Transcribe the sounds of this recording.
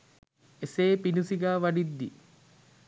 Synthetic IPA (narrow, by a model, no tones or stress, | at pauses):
eseːpinusiɡaːʋaɖid̪ːi